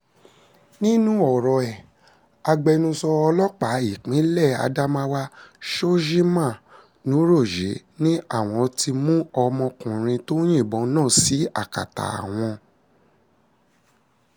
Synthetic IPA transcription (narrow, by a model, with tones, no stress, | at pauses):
nĩ˦nũ˦ɔ˨ɾɔ˨ɛ˨ | a˧ɡ͡bɛ˧nũ˧sɔ˧ɔ˧lɔ˦k͡pa˨˦i˦˨k͡pĩ˨˦lɛ˦˨a̰˧da˦mã˦wa˦ʃo˦ʒi˦mã˦˨ | nũ˨˦ɾo˦˨ʒe˨˦nĩ˦a˦˨w̃ɔ̃˧ti˧mũ˦ɔ˧mɔ̃˧kũ˨ɾ̃ĩ˧to˦j̃ĩ˦˨bɔ̃˨˦nãː˦˨si˨˦a˦˨ka̰˨ta̰˨a̰˨w̃ɔ̃˧